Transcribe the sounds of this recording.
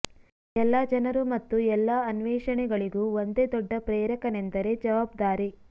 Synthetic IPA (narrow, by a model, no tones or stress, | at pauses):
ɛlːaːd͡ʒɐnɐɾumɐt̪ːuɛlːaɐnʋɛːʂɐɳɛɡɐɭiɡuond̪ed̪ɔɖːɐpɾeːɾɐkɐnend̪ɐɾe̞d͡ʒɐʋaːb̚d̪aːɾi